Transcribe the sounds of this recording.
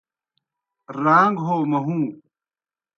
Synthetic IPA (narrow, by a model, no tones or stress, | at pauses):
ɾaːŋɡɦoːmɐɦũː